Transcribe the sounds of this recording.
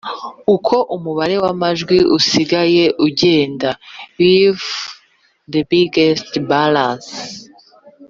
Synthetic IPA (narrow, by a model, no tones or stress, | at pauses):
ukʰo̞ʔumuβaɾe̞wamaʒɡwiusiɡaje̞ʔuɟe̞ːndawiv | d̪ebiɡestbalas